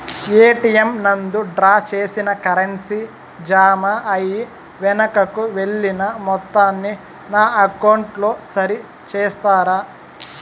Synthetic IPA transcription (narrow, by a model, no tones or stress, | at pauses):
eːʈijemnɐnd̪uɖɾaːt͡ʃe̞ːsinɐkɐɾensi | d͡ʒaːmaɐji | ʋɛnɐkɐkuʋe̞ɭːinɐmɔt̪ːaːnːi | naːɐkɐwɳʈlo̞ːsɐɾi | t͡ʃeːst̪aːɾaː